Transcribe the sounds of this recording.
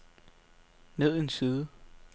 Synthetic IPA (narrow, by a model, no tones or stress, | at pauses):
ne̝ð̰ˠensiːðˠ